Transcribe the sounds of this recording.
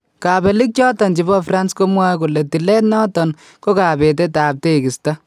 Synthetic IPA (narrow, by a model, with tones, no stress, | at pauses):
ka˨be˨li˦k̚t͡ʃɔ˦tɔ˨nt͡ʃi˨bɔ˦fra˦nsko˦mwa˦ku˨le˨ti˨lɛ˦tnɔ˦tɔ˨n | ko˦ka˨pe˨t̬e˦taː˨p̚te˦˨ki˨sta˦